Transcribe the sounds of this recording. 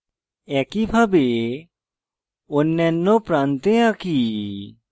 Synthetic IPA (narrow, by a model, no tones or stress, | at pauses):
ɛkibʱabe | onːɛnːopɾant̪eaki